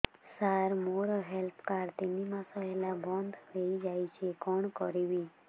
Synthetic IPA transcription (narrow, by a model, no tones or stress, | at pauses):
saɾmoɾɔɦɛlpkaɾt̪inimãsɔɦelabɔ̃nd̪ɾeid͡ʒaːit͡ʃʰekɔɳkɔɾibi